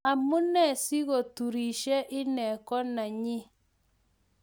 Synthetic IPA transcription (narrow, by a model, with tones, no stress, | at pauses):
a˨mʊ˦nɛ˦˨si˦ɣo˨tu˨ɾi˨ʃɛ˦ʔɪ˦nɛ˨kɔ˦na˨ɲɪ˦